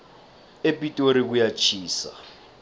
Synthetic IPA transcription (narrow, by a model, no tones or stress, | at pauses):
epʼitʼoɾik̬ujat͡ʃʰiːsa̰